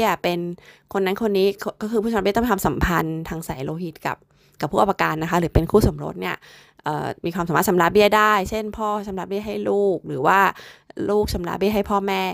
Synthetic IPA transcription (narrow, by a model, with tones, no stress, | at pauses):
ɐpe˧nkʰo˧nːa˦˥kʰo˧nːiː˦˥kʰkɔː˥˩kʰɯ˧pʰuː˥˩˨bt̪ɔ˥˧a˧sa˩˦mpʰa˧nt̪ʰaː˧ŋsa˨˩˦jloː˧ɦi˨˩t̪̚ka̰˨˩p̚ | ka˨˩pʰːu˥˩a˧wa˧kaː˧nːa˦˥kʰa˦˥ɾɯː˩˦pe˧nkʰuː˥˩so˩˦mɾo̰˦˥t̪̚ni˥˩ɐ | ʔɤ̰ː˨˩miː˧kʰwaː˧msaː˨˩˦mː˥t̪̚sa˨˦mɾaː˦˧˥bi˥˩ɐdaː˥˩jt͡ɕʰe˥˩npʰɔː˥˩sa˨˩˦mɾaː˦˥bi˥˩ɐɦa˥˩jluː˥˩k̚ɾɯː˩˦waː˥˩luː˥˩k̚sa˩˦mɾa̰ː˧˥bi˥˩ɦa˥˩jpʰɔː˥˩mɛː˥˩